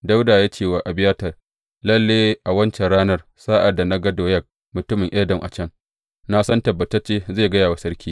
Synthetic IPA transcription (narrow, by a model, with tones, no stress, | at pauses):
da˦wdaː˨ja˦t͡ʃeː˦˨waː˨ʔa˨bɪ˦jaː˦tɐ˨r | lɐ˦lːeː˦ʔa˨wɐ˦nt͡ʃɛ˨nɽaː˦nɐ˦r | saː˦ʔa˨dːa˨na˦ɡɐ˦doː˨jɐ˦˨k̚ | mʊ˨tʊ˦mɪ˨ŋʔɛː˦dɐ˨ŋʔa̰˨t͡ʃɐ˦ŋ | na˦sɐ˦ntɐ˨bːɐ˨tɐ˦rt͡ʃeː˦zeː˦˨ɡɐ˦jaː˨wa˨˦sɐ˦rkʲʰiː˦